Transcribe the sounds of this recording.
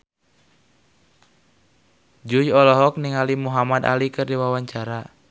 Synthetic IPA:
d͡ʒujɔlɔɦɔk̚niŋalimuɦamad̪a̰likɨrdiwawaɲt͡ʃaɾa

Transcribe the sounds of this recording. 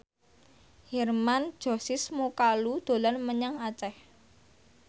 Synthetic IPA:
hɛrman̥ʒ̥ɔ̤sɪsmukalud̪̥o̤lɔnməɲaŋat͡ʃɛh

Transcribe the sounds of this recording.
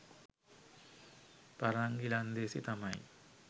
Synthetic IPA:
paɾaŋɡiland̪eːsit̪amɐj̰

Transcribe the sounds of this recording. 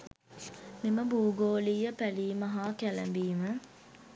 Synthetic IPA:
miməbuːɡoːlijəpæliːmɐɦaːkælæ̰mbiːmə

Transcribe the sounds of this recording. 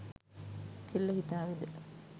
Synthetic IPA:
kʰelːɐhit̪aːʋid̪e

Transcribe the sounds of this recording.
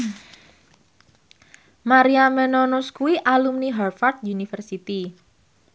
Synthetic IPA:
maɾiamɛnɔnuskuiʔalumniɦarfart̪̚diunifərsit̪i

